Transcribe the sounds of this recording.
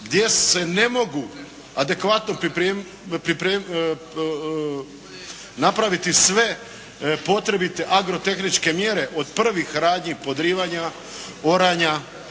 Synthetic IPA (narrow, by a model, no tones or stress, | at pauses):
ɡd̪je̞e̞ne̞mo̞ɡu | ad̪e̞kʋat̪no̞pɾiɾe | pɾipɾeː | napɾaʋit̪isʋe̞ | po̞t̪ɾe̞bit̪eʔaɡɾo̞t̪e̞xnit͡ʃke̞mje̞ɾe̞ʔo̞d̪pr̩ʋixɾaːd̪ɲipo̞d̪ɾiːʋaɲa | o̞ɾaɲa